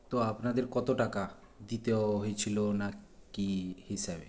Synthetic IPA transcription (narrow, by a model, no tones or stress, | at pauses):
t̪oapnad̪eɾkɔt̪oʈaka | d̪it̪eoɦoet͡ɕʰilonakihiʃabḛ